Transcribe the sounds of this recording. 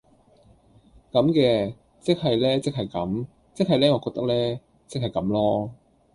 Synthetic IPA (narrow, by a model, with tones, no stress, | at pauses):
kɐ˨˥mkɛː˧ | t͡sɪ˥k̚ɦɐ˨jlɛː˥t͡sɪ˥k̚ɦɐ˨˩jkɐ˨˥m | t͡sɪ˥k̚ɦɐ˨jlɛː˥ŋɔː˨˧kɔː˧k̚t̪ɐ˥k̚lɛː˥ | t͡sɪ˥k̚hɐ˨jkɐ˨˥mlɔː˥